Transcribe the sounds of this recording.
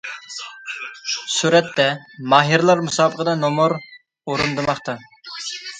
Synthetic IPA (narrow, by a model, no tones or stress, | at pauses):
suɾɛt̪ːɛmɑːɦiɾlˠɑɾmusɑːbəqʰəd̪ɑnomuɾ | oɾund̪ɨmɑχt̪ɑ